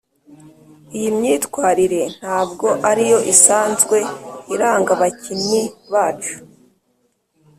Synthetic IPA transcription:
ijimɲiːtwaːɾiɾe̞n̥haːbɡo̞ʔaɾijo̞ʔisaːnzɡwe̞iɾaːŋɡaβacinɲiβaːt͡ʃu̥

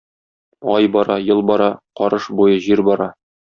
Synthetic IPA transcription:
ɒjbɒɾɑjɤlˠbɒɾɑqɒɾɤʃbujɤʑiɾbɒɾɑ

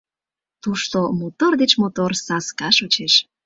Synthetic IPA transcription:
t̪uʃt̪omot̪ord̪et͡ɕmot̪orsɑskɑʃot͡ɕeʃ

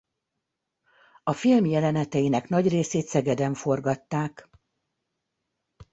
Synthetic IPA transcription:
ɒfilmjɛlɛnɛt̪ɛjinɛknɒɟreːseːt̪sɛɡɛd̪ɛɱfo̞rɡɒt̪ːaːk

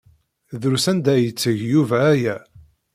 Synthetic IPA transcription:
ðɾusænd̪æjət͡sːəʝjuvæːjæ

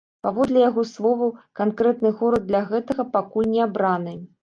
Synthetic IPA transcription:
pavɔd̪lʲɛjaɣɔslˠɔvɐkankɾɛt̪nɨɣɔɾɐd̪̚ːlʲaɣɛt̪ɐɣɐpakulʲnʲɛabɾanɨ

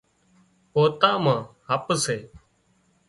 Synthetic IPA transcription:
poːt̪aːmãːhəpseː

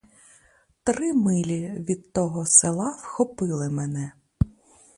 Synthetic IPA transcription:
t̪ɾɪmɪlʲiʋʲid̪t̪ɔɦɔselˠɑwxɔpɪlˠɪmɛnɛ

